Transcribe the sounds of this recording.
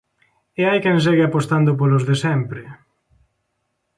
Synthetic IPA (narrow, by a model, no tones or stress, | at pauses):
eajkɛns̬eɣɪapost̪and̪ʊp̬olozðesɛmpɾɪ